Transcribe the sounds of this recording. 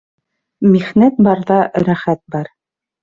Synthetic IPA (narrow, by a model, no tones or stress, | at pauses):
miχnæt̪̚bɑɾðɑɾæχæt̪̚bɑɾ